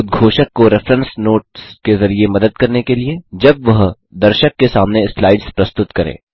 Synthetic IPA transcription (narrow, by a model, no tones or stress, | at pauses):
ʊd̪̚ɡʱoːʃəkːoɾɪfɾə̃nsnoːʈskezɐɾiemɐd̪əd̪̚kɐɾnekelied͡ʒɐbʋɐɦ | d̪ɐɾʃəkːesaːmneslaːɪɖz̥pɾɐst̪ʊt̪kɐɾḛ̃ː